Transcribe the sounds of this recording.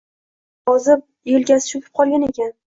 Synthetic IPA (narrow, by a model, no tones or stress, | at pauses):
jɒzɪp̚ | jelɡʲasɪ̥ʃʊpʰʲɪ̥p̚qʰɒlˠɡʲane̞kʲan